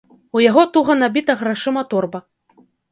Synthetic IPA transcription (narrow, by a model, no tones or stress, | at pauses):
ujaɣɔt̪uɣɐnabʲit̪ɐɣɾaʂɨmɐt̪ɔrbɐ